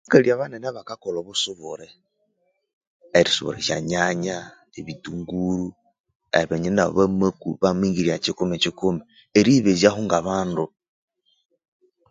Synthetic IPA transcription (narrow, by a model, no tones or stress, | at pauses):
akaliaβanenaβakakoloβusuβuɾe | ɾisṵβṵɾeʃa̰ɲaɲa | eβituŋɡuɾu | eβeɲena̰βamakuβamiːŋɡiɾiacikumet͡ʃikumi | eɾiβezahuŋɡaβaːndu